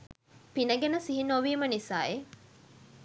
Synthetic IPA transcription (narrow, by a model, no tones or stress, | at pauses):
pinəɡenəsiɦinoʋiːmənisaːe